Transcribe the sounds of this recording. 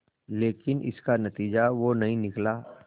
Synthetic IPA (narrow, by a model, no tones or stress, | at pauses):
leːkɪnɪ̰skanɐt̪iːd͡ʒaʋonɐɦĩnɪklaː